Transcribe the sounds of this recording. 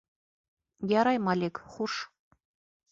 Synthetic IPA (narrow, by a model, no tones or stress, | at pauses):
jɑɾɑjmɑlʲekχuʃ